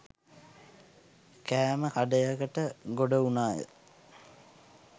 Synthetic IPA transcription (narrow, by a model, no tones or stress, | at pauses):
kæːməhaɖəjaɡəʈəɡoɖəunaːjə̰